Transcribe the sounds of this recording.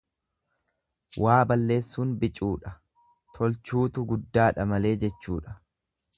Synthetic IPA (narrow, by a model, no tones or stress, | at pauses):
wʔaːbɐlːe̞ːsːuːnbɪt͡ʃʼːuːᶑɐ | t̪ʰɔlt͡ʃuːt̪ʊɡʊd̪ːaːᶑɐmɐle̞ːd͡ʒɛt͡ʃːuːᶑɐ̥